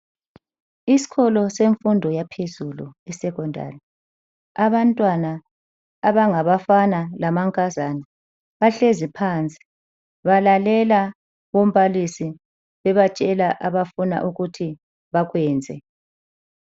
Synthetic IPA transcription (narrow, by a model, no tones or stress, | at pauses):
isi̥ɣɔlɔseɱfundʱɔjapʰezulṵɛsɛɣɔndʱa̰ːlɛ | aβantʼwanaː | βaŋaβafanalamaŋkʼazani | βaɬezipʰaːnt͡sʼi̥ | βalalɛla | ɣom̩βalisi | βɛβat͡ʃʼɛlaʔaβafuna̰ʔuɣutʰi | βaɣwɛːnd͡zʱɛ̰